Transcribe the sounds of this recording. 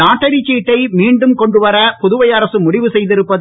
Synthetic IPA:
aːʈːɐɽit͡ʃːiːʈːɐɪmiːɳɖɯmkɔɳɖɯʋɐɾɐpʊðʊʋɐjɐɾɐsɯmʊɽɪʋɯsɛjðɪɾɯpːɐð

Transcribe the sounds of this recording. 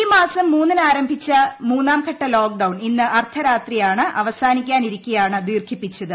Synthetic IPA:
imaːsɐmːuːnːinaːɾɐmbʱit͡ɕːɐmuːnːaːmkʰɐʈːɐlo̞ːk̚ɖɐwɳinːɨʔɐrt̪ʰɐɾaːt̪rijaːɳɨʔɐʋɐsaːnikʲːaːniɾikʲːujaːɳɨd̪iːrkʰipːit͡ɕːɐðɨ

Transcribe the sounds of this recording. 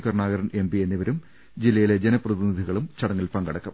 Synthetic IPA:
kɐrɳaːɣɐɾɐne̞mbienːiʋɐɾum | d͡ʑilːɐjile̞d͡ʑɐnɐprɐðinid̪ʱiɣɐɭumt͡ɕɐɽɐŋːilpɐŋɡɐɽɐkːɐm

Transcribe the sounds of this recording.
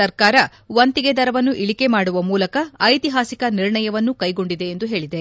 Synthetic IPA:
ɐɾkaːɾɐ | ʋɐnt̪iɡe̞d̪ɐɾɐʋɐnːuʔiɭike̞maːɽuʋɐmuːlɐkɐːjt̪iɦaːsikɐniɾɳɐjɐʋɐnːukɐjɡo̞ɳɖid̪e̞ːnd̪uɦe̞ːɭid̪e̞

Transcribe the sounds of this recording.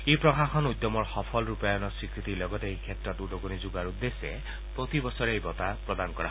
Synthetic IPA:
epɹɔkaxɔnujd̪jɔmɔɹxɔpʰɔlɹupajɔnɔsikɾit̪ilɔɡɔt̪ejkʰet̪ɾɔt̪udɔɡunizuɡaɾud̪ːese | pɾot̪ibɔsɔɾejbɔt̪apɹɔd̪ankɔɾaɦ

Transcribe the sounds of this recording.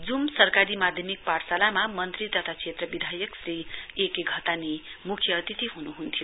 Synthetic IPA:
d͡zumsʌrkaɾimad̪ʱjʌmik̚paɾsalamamʌnt̪rit̪ʌt̪ʰat͡sʰet̪rʌbid̪ʱajʌksriekeɡʱʌt̪anemukʰjʌːt̪it̪iɦunuɦunt̪ʰijo

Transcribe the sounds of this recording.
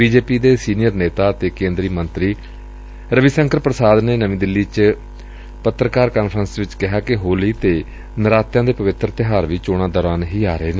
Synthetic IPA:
biːd͡ʒeːpiːd̪eːsiːnɪjəɾneːt̪aːt̪eːkẽːnd̪ɾiːmənt̪ɾiː | ɾəʋiːsəŋkəɾpɾəsaːd̪neːnəʋĩːd̪ɪlːiːt͡ʃ | pət̪ːɾəkaːɾkaːnpʰɾənsʋɪt͡ʃkɪɦaːkɪɦoːliːt̪eː | nəɾaːt̪jãːd̪eːpəʋɪt̪ɾt̪ɪɦaːɾʋiːt͡ʃoːɽ̃ãːd̪ɔːɾaːnɦiːaːɾəeːneː

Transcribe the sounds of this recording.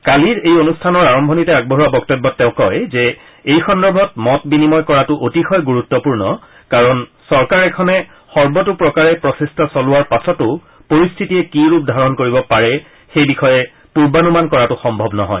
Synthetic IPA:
kaliɹejonustʰanɔɹaɹɔmbʱɔnitɛaɡ̚bɔɦuwabɔktɔbːɔtːɛʊ̃kɔjzɛ | ejxɔndɔbʱɔtmɔtbinimɔjkɔɹatʊʔotixɔjɡuɹutːɔpuɹnɔ | kaɹɔnsɔɹkaɹɛkʰɔnɛ | xɔɹbɔtʊpɹɔkaɹɛpɹɔsestʰasɔlʊwaɹpasɔtʊ | poɹistʰitijɛkiɹupdʱaɹɔnkoɹibɔpaɹɛ | xejbixɔjɛ | puɹbanumankɔɹatʊxɔmbʱɔbnɔɦɔ̰j

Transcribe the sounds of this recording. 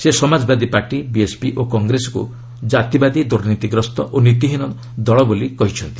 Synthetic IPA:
sesɔmad͡ʒbad̪ipaɾʈibiespiʔokɔŋɡɾesɔ̥kṵ | d͡ʒat̪ibad̪id̪uɾnit̪iɡɾɔst̪ɔʔonit̪iɦinɔ | d̪ɔɭɔbolikɔɦit͡ʃʰɔnt̪i̥

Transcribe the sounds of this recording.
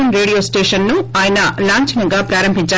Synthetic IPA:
ɐnɾeːɽijoːsʈeːʂɐnːuaːjɐnɐlaːɲt͡ʃɐnɐŋɡaːpɾaːɾɐmbʱiɲt͡ʃaː

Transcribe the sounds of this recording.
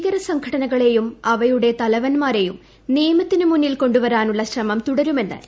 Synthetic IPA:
ɣɐɾɐsɐŋkʰɐɽɐnɐɣɐɭe̞jumɐʋɐjuɽe̞t̪ɐlɐʋɐnmaːɾe̞jum | niːmɐt̪ːinɨmunːilko̞ɳɖuʋɐɾaːnuɭːɐɕrɐmɐmt̪uɽɐɾume̞nːɨ̰

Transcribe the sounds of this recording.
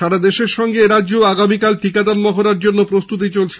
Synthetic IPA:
ʃaɽad̪eʃeɾʃɔŋɡeɾadːd͡ʑoaɡamikalʈikad̪anmɔɦoɾaɾd͡ʑonːopɾost̪ut̪̬it͡ɕolt͡ɕʰe̥

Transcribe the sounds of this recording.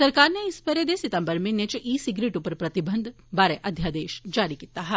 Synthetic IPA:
sɐɾkaːɾneɪspɐɾed̪esɪt̪ə̃mbəɾmẽnet͡ʃʔiːsɪɡɾeːʈupəɾpɾɐt̪ɪbə̃nd̪ʱ | baːɾeʔɐd̪ʱjaːd̪eːʃd͡ʒaːɾikiːt̪aɦɛː

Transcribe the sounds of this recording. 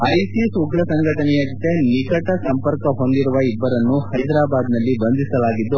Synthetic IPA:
ɐjsisuɡɾɭɐsɐŋɡʱɐʈɐnɛjɐd͡ʒɔt̪enikɐʈɐsɐmpɐɾkɐɦo̞nd̪iɾuʋɐibːɐɾɐnːuhɐjd̪ɾaːbaːd̪nɐlːibɐnd̪ʱisɐlaːɡid̪ːu

